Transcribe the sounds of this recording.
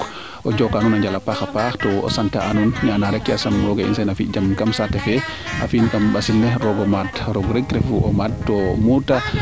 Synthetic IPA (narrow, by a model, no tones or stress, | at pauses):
ʔɔd͡ʒɔkanunaɲd͡ʒalapaxapaxtɔɔ̰santa̰ʔanunnanaɾɛkːiasamɾɔɡaḭnsɛnafid͡ʒamkamsatɛfɛʔa̰finkambasilːɛɾɔɡɔmadɾɔɡɾeɡ̚ɾɛfuʔɔ̰madtːɔmuta